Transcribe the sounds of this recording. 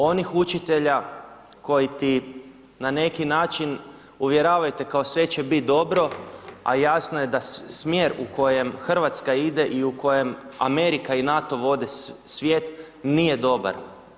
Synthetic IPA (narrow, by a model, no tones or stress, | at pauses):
o̞nixut͡ʃit̪e̞ʎa | ko̞jit̪i | nane̞kinaːt͡ʃin | uʋjeɾaːʋajut̪ekao̞sʋe̞t͡ʃe̞bit̪̚d̪o̞bɾo̞a̰jasnoje̞d̪asmjeːɾuko̞je̞mxr̩ʋat̪skaid̪e̞ʔiuko̞je̞ma̰me̞ɾikainat̪o̞ʋo̞d̪e̞sʋje̞ːt̪ | nije̞d̪o̞ba̰ɾ